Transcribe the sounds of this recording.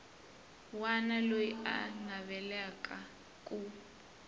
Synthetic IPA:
wanalojia̰naβɛlɛka | kʼu

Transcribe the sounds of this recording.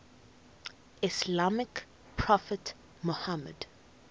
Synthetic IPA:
ɪslamɪk | pʰɹɔfət | mohamə̰d

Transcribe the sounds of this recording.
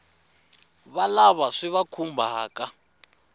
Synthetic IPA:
βalaβaʂiβakʰumbʱaːka

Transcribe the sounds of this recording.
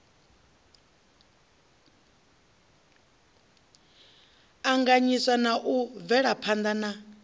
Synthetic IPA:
aŋɡaɲisanaʔuvɛɺapʰand̪ana

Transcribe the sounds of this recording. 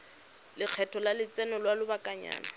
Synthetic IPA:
lɪq͡χʰɛtʰʼɔlalɪt͡sɛnɔlwalʊbakʼaɲa̰ːna̰

